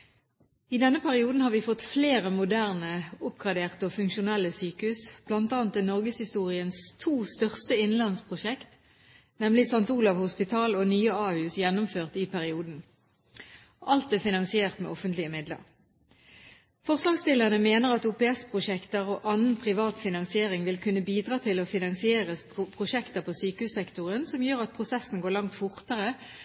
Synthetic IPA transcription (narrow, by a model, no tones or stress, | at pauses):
ɪd̪ɛnːəpʰæʁɪuːd̪n̩hɑːʁʋiːfɔt̪fleːʁəmʊd̪æʁnəʊpɡʁɑd̪eːʁt̪əofʉŋkʃʊnɛlːəsyːkəhʉːsb̥lɑnt̪ɑːnt̪ɪnɔʁɡəshɪst̪uːʁɪənst̪ʰuːst̪œʁst̪əɪnlɑnspʰʁʊʃɛkt̪ | nɛmlɪsɑnt̪uːlɑʋhʊspɪt̪ʰɑːloːnyːəɑːhʉːsjɛnʊmføːʁt̪ɪpʰæʁɪuːd̪n̩ | ʔɑlt̪̚d̪efɪnɑnsɪeːʁt̪mḛːɔfənt̪lɪəmɪd̪lə̰ʁ | fɔʁslɑːɡst̪ɪləʁənəmeːnəʁɑt̪uːpɛɛspʰʁʊʃɛkt̪əʁoːʔɑnən̩pʰʁɪʋɑːt̪fɪnɑŋsɪeːʁɪŋʋɪlkʰʉnːəbiːd̪ʁɑːt̪ʰɪlɔfɪnɑŋsɪeːʁəpʰʁʊʃɛkt̪əʁpʰoːsyːkəhʉːsɛkt̪ʊʁənsɔmjøːʁɑt̪̚pʰʁʊsɛsn̩ɡoːʁlɑŋt̪fʊʁt̪əʁə